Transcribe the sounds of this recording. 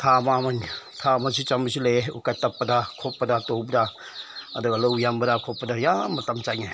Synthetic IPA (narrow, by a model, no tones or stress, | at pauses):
tʰamamantʰamas̬it͡ʃamis̬ileukatːapːɐdakʰopːɐdatowbda | ɐdɐɡalowjambɐdakʰopːɐdajamɐtamt͡ʃaŋe